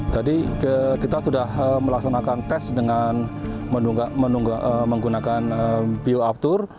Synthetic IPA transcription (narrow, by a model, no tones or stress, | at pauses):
t̪adiəkit̪asudahəməlaksanakant̪ɛsdəŋan | mənuŋɡmənuŋɡaəməŋɡunakanəpiuap̚t̪ʊr